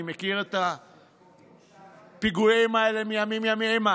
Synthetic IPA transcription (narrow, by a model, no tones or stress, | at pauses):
imekiʁet̪a | piɡuemaelemijamimiamiema